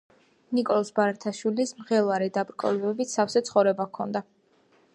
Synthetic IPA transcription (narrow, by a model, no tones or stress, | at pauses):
nikʼɔlˠɔsbaɾat̪ʰaʃwilismʁɛlˠaɾɛd̪abɾkʼɔ̰lɛbɛbit̪safsɛt̪sʰχɔvɾɛbakʰɔnd̪a